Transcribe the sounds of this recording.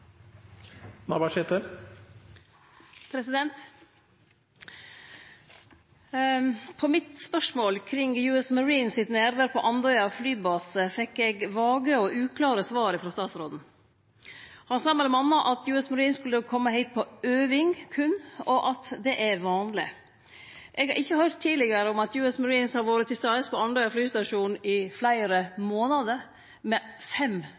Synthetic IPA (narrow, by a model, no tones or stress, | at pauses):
nɑbɑʂɛt̪ə | pʰɾɛsɪd̪ɛnt̪ | pʰɔmɪt̪spœʂmoːlkʰɾɪŋjʉːɛsməɾiːnsɪt̪næːɾʋæɾpʰɔʔɑnd̪ɔʏɑflyːbɑːsəfɛkːɛɡʋɑːɡəɔʉːkʰlɑːɾəsʋɑːɾəfɾɑst̪ɑːt̪sɾoːd̪n̩ | hɑnsɑːmɛlɛmɑnːɑʔɑt̪jʉːɛsmɑɾiːnskʉləkʰɔmːəɦæɪt̪̚pʰɔøːʋɪŋkʰʉnːɔʔɑt̪d̪ɛʔæɾʋɑːnlɪ | ʔɛɡhɑɾʔɪçːəhœɾt̪ʰːiːlɪɡəɾəʊmɑt̪jʉːɛsmɑɾiːnshɑɾʋoːɾət̪ʰɪst̪ɑɛspʰɔɑnd̪ɔʏɑflyːst̪ɑʂuːnnɪflæɪɾəmoːnɑd̪əɾ | mɛfɛm